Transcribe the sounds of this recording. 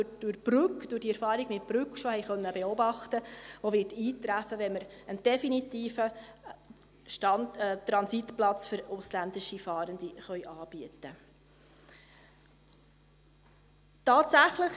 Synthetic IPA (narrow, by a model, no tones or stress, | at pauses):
d̥ʊɾb̥ɾʉkd̥ʊrd̥iɛɾfɑːɾiɡ̥mɪt̚b̥ɾʉkʃohɛjχœnːəbɛɔbɑχtəʋovɪtiːt̪ɾæfəʋɛnməɾənd̥ɛfinitiːfə | ʃtɑnt̪ɾɑnsit̪plɑt͡sfʏɾʊslænd̪ɪʃifɑːɾənd̪iχœjʔɑːb̥iətə | tɑːtsæχləχ